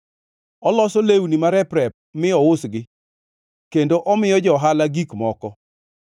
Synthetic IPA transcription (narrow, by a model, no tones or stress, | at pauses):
ɔlɔsɔlewnimaɾɛpɾɛp̚mɪɔʊsɡɪ | kendoʔɔmɪjɔd͡ʒɔɦalaɡikmɔkɔ